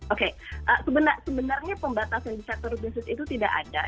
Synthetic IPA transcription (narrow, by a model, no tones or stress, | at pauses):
okeʔəsəbənarsəbənarɲapəmbat̪asandisak̚t̪ɔɾub̪insɪsit̪ut̪idaʔa̰da̰